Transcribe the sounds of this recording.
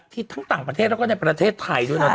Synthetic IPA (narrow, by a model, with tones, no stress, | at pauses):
t̪ʰiː˥˩t̪ʰa˦˥ŋt̪aː˨˩ŋpɾa˧t̪ʰeː˥˩t̪̚lɛ˧˥kːna˧˩jpɾa˧t̪ʰeː˥˩t̪ʰːa˧jd̪u˥˩˨jnɔ˦˥